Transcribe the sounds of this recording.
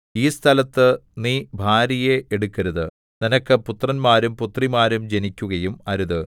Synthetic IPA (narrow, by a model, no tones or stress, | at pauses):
iːst̪ʰɐlɐt̪ːɨniːbʱaːɾijeʔeɽukːɐɾuðɨ | ninɐkːɨput̪rɐnmaːɾumput̪rimaːɾumd͡ʑe̞nikʲːuɣɐjumɐɾuðɨ